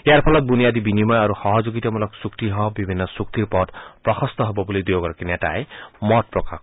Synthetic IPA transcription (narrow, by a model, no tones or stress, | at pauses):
ejaɹpʰɔlɔt̪̚d̪unijad̪ibinimɔjaɾuxɔɦɔd͡ʒoɡit̪ɔmulɔksukt̪iɦɔbibʱinːɔsuk̚t̪iɹpɔdpɹɔxʰɔst̪ɔɦobɔbulid̪ijoɡɔɹkinɛta̰jmɔt̚pɹɔka̰k